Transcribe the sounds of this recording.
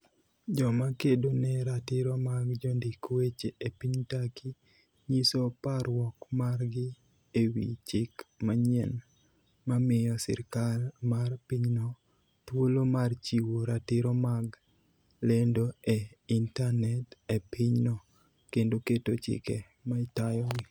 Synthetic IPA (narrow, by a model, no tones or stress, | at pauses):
d͡ʒɔmakedonɛɾatɪɾɔmaɡd͡ʒɔndikwet͡ʃeepiɲtakʰi | ɲisopaɾwɔkmarɡɪ | ewḭt͡ʃɪkmaɲɛn | mamɪjɔsɪ̰ɾkalmarpiɲnɔ | twolomart͡ʃiwoɾatɪɾɔmaɡ | lendoeintanɛtepʰiɲnɔ | kendoketot͡ʃɪ̰kɛ | maitajɔɡɪ